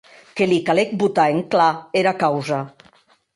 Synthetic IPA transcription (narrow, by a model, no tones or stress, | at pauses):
kelikalek̚but̪aeŋklaeɾakawza